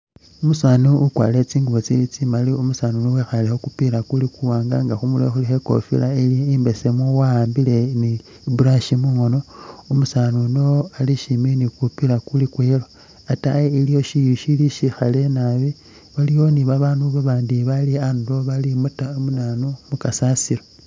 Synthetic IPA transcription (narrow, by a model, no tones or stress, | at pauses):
umusaːnuukwa̰ːle̞t͡siːŋɡuβot͡silit͡simaliumusanunowexalexokupilakulikuwaːŋɡa̰ŋɡaxumulḛxulixeko̞̰fḭlailiimbe̞semwowaːmbile̞ni | buɾaʃimuŋo̞no̞umusanunoaliʃiminikupilakulikwelo | atajeilijo̞ʃijuʃiliʃixale̞naβi | βalijo̞niβaβaːnduβaβaːndiβaliando̞βalimutaomunanumukasasilo